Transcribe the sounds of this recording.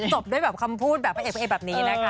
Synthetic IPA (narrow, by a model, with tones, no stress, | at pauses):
t͡ɕo˨˩p̚du˥˩əjbɛː˨˩p̚kʰa˧mpʰuː˥˩t̪̚bɛː˨˩pʰa˧˥˩eː˨˩a˦˧e˧˩bɛː˨˩p̚niː˦˥na˦˥kʰa˦˥